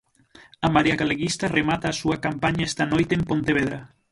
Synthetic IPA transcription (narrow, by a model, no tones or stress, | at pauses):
ɐmaɾiɐɣaleɣist̪ɐremat̪aːsuɐkampaɲaɛst̪ɐnojt̪eːmpont̪eβeðɾɐ